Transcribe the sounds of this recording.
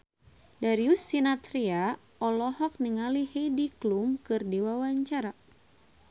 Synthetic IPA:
daɾiusːinat̪ɾia | ɔlɔɦɔk̚niŋaliheidiklumkɨrdiwawaɲt͡ʃaɾa

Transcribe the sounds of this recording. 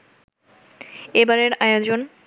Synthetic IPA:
ebaɾeɾajod͡ʑon

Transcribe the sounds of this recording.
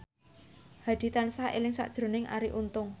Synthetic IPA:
had̪̥i̤t̪ansaʔḛlɪŋsa̰ʔd̥ʒ̥ɾo̤nɪŋʔa̰ɾiʔunt̪ʊŋ

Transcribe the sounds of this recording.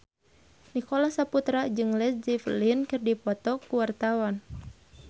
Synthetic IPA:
nikolahsaput̪ɾad͡ʒɨŋlɛsd͡ʒiflinkɨrdipɔt̪ɔkuwart̪awan

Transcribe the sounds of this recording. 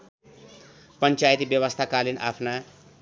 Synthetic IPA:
pʌnt͡sajt̪ibjʌwʌst̪ʰakalina̰pʰna

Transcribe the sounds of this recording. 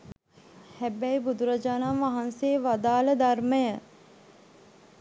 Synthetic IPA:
hæbɛjbud̪uɾəd͡ʒanamʋaɦanseːʋad̪aːləd̪arməjə

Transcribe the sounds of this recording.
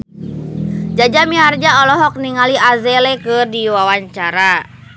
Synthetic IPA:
d͡ʒad͡ʒamiɦard͡ʒaɔlɔɦɔk̚niŋaliazɛlɛkɨrdiwawaɲt͡ʃaɾa

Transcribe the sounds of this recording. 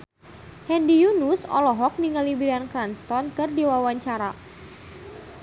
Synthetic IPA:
hɛndijunusɔ̰lɔɦɔk̚niŋalibiɾankɾanst̪ɔnkɨrdiwawaɲt͡ʃaɾa

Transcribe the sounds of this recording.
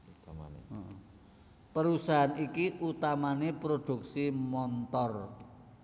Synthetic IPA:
ɔʔɔ | pəɾusaɦanikiʔut̪amanepɾod̪̥ṳk̚simɔnt̪ɔr

